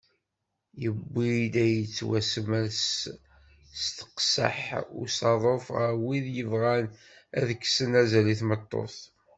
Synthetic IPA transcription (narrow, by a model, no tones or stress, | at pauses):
jəbːid̪æjət͡sːwæsəməls | st̪ə̥qsə̰ħʊ̰sɑðˤofʁəwiðjəvʁæn | æðəkːsənæzæliθmət̪ˤːo̰θ